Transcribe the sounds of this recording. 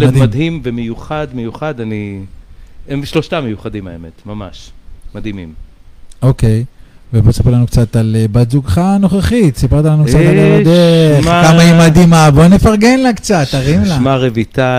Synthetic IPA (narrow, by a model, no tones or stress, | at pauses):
ld̪imad̪himvemejuχad̪mejuχad̪ani | emʃloʃtamejuχad̪imaemet̪mama̰ʃmad̪imimokejvebosipelanukt͡sat̪alebat̪zuɡχano̞χaχit̪sipeʁt̪alanusaʁt̪aalod̪eakamaimad̪imabo̞ne̞faʁɡenlakt͡sat̪aʁimlamaʁevit̪a